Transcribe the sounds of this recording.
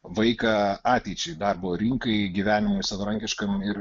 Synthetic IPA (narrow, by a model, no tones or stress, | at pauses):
ʋɐɪkɐɑːt̪ʲɛɪt͡ʃʲɛɪd̪ɑrboːɾʲɪŋkɐɪɡʲiʋʲæːnʲɪmʊɪsɐʋɐɾɐŋʲkʲɪʃkɐmɪɾ